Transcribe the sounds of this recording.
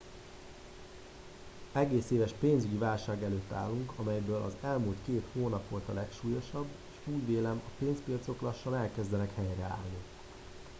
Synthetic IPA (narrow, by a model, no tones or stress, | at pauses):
ɛɡeːseːvɛʃpeːnzyɟivaːlʃaːɡɛløːt̪ːa̰ːlːuŋkɒmɛjɛjbøːlʔɒ̰zɛlmuːlt̪keːt̪hoːnɒpʋo̞lt̪ɒlɛkʃuːjo̞ʃɒbːeːʃuːjveːlɛmɒpeːnspijɒt̪so̞klɒʃːɒnɛlkɛzd̪ɛnɛkhɛjrɛa̰ːlni